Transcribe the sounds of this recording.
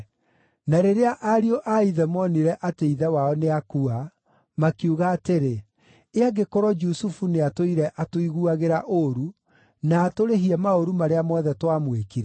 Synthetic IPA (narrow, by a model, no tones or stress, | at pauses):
naɾeɾeaʔaɾioʔaiðɛmɔniɾɛʔateiðɛwaɔneakua | makiuɣaːteɾe | eaɡekoɾɔd͡ʒusufuneatoiɾɛʔatoiɣuaɣeɾaʔoɾu | naːtoɾeɦiɛmaoɾumaɾeamɔðɛtwamwekiɾɛ